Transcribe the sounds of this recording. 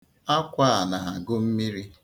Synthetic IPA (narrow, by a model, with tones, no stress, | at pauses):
a˦kʷa˦a˨na˨a˨ɡʊ˦m̩˦mi˦ɾi˦